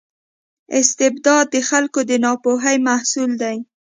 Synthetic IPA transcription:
ɪst̪ɪbd̪ɑd̪̚ːəxalkod̪ənɑpoɦajmahsuld̪aj

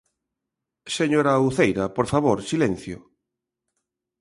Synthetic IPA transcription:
seɲoɾauθejɾapoɾfaβ̞oɾsilẽn̟θjʊ̰

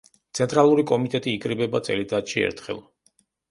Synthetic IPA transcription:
t̪sʰɛnt̪ʼɾalˠuɾikʼɔmit̪ʼɛt̪ʼiːkʼɾibɛbat̪sʼɛ̰lid̪ʰʼat̪ʃiɛ̰ɾt̪ʰχɛ̰lˠ

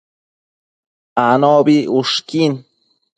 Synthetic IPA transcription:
anobiuʂkin

